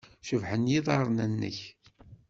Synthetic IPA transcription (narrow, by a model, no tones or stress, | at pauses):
ʃəvħənjiðˤɑɾˤnænːə̰ç